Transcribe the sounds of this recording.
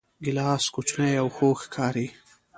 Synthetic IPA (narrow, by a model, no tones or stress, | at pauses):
ɡɪlɑːskut͡ʃnajawxoːxkʰɑːɾi